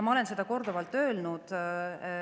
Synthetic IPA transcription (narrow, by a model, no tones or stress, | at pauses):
mɑole̞nse̞d̪̥ɑko̞rd̪̥uvɑlt̪ːˑø̞ːlnud̪̥